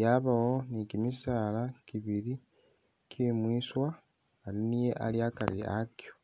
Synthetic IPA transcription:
jaβawonikimisaːlakiβiɾi | kʰimwiːswaː | linije̞ʔa̰liakaɾia̰kjo

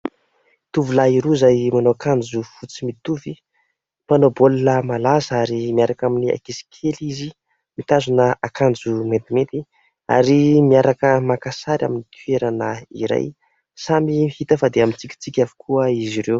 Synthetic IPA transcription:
t̪uvilaiɾuizajmanoakand͡zufut͡simit̪uvi | manobollamalazəaɾimiaɾakaminia̰kisi̥kʰelizi | mit̪azunəakand͡zumet̪imet̪i | a̰ɾimiaɾakəmakasaɾja̰minit̪ʰɥeɾanəiɾa̰j | samihit̪əfad̪eamint͡sikʲi̥t͡sikʲavu̥kʰuəiziɾew

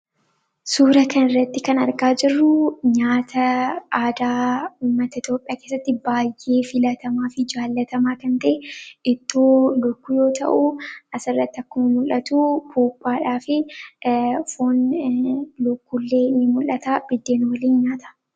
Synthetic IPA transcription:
suːɾɐkɐnɪrːɐt̪ːɪkɐnɐɾɡaːd͡ʒɪrːʊɲaːt̪ʰɐʔaːd̪aːuːmːɐt̪ɐɪt̪jo̞ːpʼɪjaːke̞ːsːɐt̪ːɪbaːjːe̞ːfɪlɐt̪ɐmaːfɪd͡ʒaːlːɐt̪ɐmaːkɐnt̪ɐʔɛʔɪt̪ːoːlʊkːʊjo̞ːt̪ɐ̰ʔuʔɐsɪrːɐt̪ːɪɐkːʊmɐmʊlʔɐt̪uːpʰuːpʼːaːᶑaːfɪ | foːn | lʊkːʊlːeːnɪmʊlːɐt̪aːb̥ɪd̪ːe̞ːnwɐliːnɲaːt̪ɐ̥

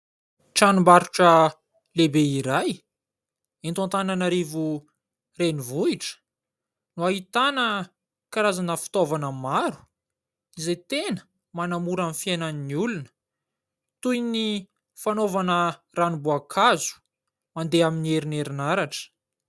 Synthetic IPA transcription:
ʈ͡ʂanumbaɾuʈ͡ʂə | lebeiɾaj | ent̪ãnt̪ananaɾivu | renivuiʈ͡ʂə̥ | nuaɦit̪anə | kaɾazanəfi̥t̪ovanəmaɾu̥ | izet̪enə̥ | manamuɾamifienanniulunə̥ | t̪ujni | fanovanə | ranibuakʰazu̥ | mand̪eaminieɾineɾinaɾaʈ͡ʂə̥

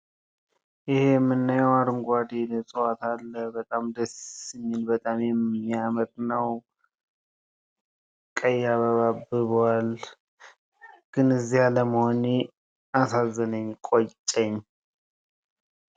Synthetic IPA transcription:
jɪhemːɨnːajɛwaɾɨŋɡʷad̪enəsʼəwat̪alːəbət̪ʼamd̪əsɨminbət̪ʼamjɛmijamət̪nəw | kʼəjːaβəβabːɨβəwal | ɡ̥ɨnɨzːijaləməhone | asazːənəɲːkʼot͡ʃʼɛɲː

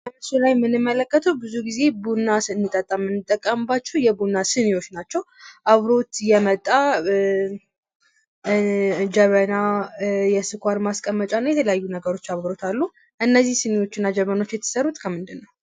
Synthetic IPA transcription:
kəməsulajmɨnɨmːələkːət̪ʰəwbɨzuɡize̞bunːasɨɨnːɨt̪ʼət̪ʼːamːɨnːɨt̪ʼːəkʼːəmbat͡ʃːɛwjɛbunːasɨnejwo̞t͡ʃːnat͡ʃːɛw | ʔaβɾo̞t̪jɛmət̪ʼːa | d͡ʒəβənajɛsɨkʰʷaɾmaskʼəmːət͡ʃʼanːajɛt̪ʰələjajːunəɡəɾo̞t͡ʃːaβɾo̞t̪ʰalːu | ʔɨnːəzːihsɨnejwo̞t͡ʃːɪnːad͡ʒəβəno̞t͡ʃːjɛt̪ʰːɨ̥səɾut̪ʼkʰəmɨnd̪ɨnːəw

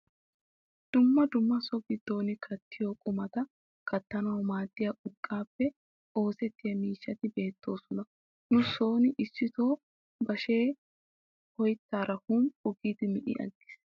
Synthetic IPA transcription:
d̪̥ʊmːɐd̪ʊmːɐsɔɡɪd̪ːo̞ːnɪkʰɐt̪ːɪjoːkʼʊmɐt̪ɐ | kɐt̪ːɐnɐwmaːd̪ːɪjɐʔʊkʼːaːpːɛ | o̞ːsɛt̪ːɪjɐmiːʃːɐt̪ɪbe̞ːt̪ːo̞ːsɔnɐ | nʊso̞ːnɪʔɪsːɪt̪o̞ː | bɐʃe̞ː | hɔjt̪ːaːɾɐhumʊɡiːd̪ɪmɪʔɪ̰ɐ̰ɡːɪ̥s

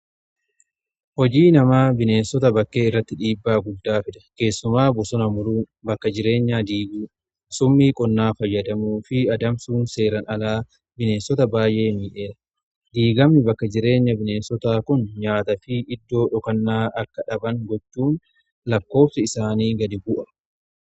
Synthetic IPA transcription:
hɔd͡ʒiːnɐmaːbɪne̞ːnsɔt̪ɐbɐkːe̞ːɪrːɐt̪ːɪᶑiːbːaːɡʊd̪ːaːfɪᶑ̪ɐ̥ke̞ːsːʊmaːbʊsɔnɐmʊɾuː | bɐkːɐd͡ʒɪɾe̞ːɲːaːd̪iːɡuː | sʊmːiːkʼɔnːaːfɐjːɐd̪ɐmuːfɪɐd̪ɐmsuːnse̞ːɾɐnɐlaː | bɪne̞ːnsɔt̪ɐbaːjʔe̞ːmiːʔeːᶑɐ | d̪iːɡɐmnɪbɐkːɐd͡ʒɪɾe̞ːɲːɐbɪne̞ːnsɔt̪aːkʊnɲaːt̪ɐfiʔɪd̪ːo̞ːᶑɔkɐnːaːʔɐkːɐᶑɐbɐŋɡɔt͡ʃːuːn | lɐkːo̞ːfsɐɪsaːniːɡɐd̪ɪbʊʔɐ̥

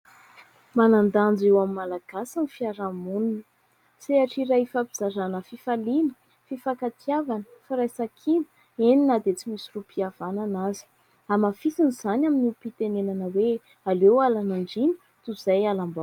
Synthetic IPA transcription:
manand̪and͡zewamimalaɡ̥asanifiaɾamunun | seaʈ͡ʂiɾajfapiz̥aɾanəfifalinə̥ | fifakat̪iavanə̥faɾajsakʰinə̥ | eninad̪et͡simisirupʰiav̥ananazi̥ | amafisiniz̥anʲaminipit̪enenanəwe | alewalanaɳɖ͡ʐini̥ | t̪uz̥ajalambaw

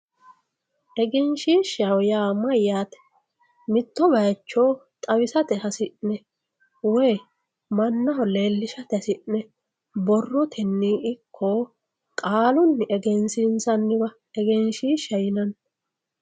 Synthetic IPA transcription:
ʔɛɡɛnʃiːʃɐwjaːmɐjːaːt̪ɛ̥ | mɪt̪ːɔbɐjt͡ʃːo̞ːt̪ʼɐwɪsɐt̪ɛhɐsɪʔnɛ | wej | mɐnːɐɦɔle̞ːlːɪʃɐt̪ɛsɪʔnɛ | bɔrːɔt̪ʰɛnːiːʔɪkʰːoː | kʼaːlʊnːɪʔɛɡɛnsɪnsɐnːɪbɐ | ɛɡɛnʃiːʃɐjɪnɐn

